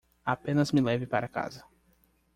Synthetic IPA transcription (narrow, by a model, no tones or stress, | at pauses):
apẽnɐzmɪlɛvɪpaɾɐka̰zɐ